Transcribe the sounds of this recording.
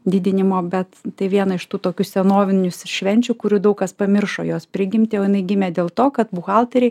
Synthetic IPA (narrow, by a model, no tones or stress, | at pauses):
d̪ʲɪd̪ʲɪnʲɪmoːbʲɛt̪t̪ɐɪʋʲiɛnɐɪʃt̪uːt̪oːkʲʊsʲɛnoːʋʲɪnʲʊsʃʲʋʲɛnʲt͡ʃʲʊkʊɾʲud̪ɐʊkɐspɐmʲɪrʃo̰ːjoːspʲɾʲɪɡʲɪmʲt̪ʲɪjoːjɪnɐɪɡʲɪmʲɛːd̪ʲeːlˠt̪oːkɐt̪bʊxɑlˠt̪ʲɐɾʲɛɪ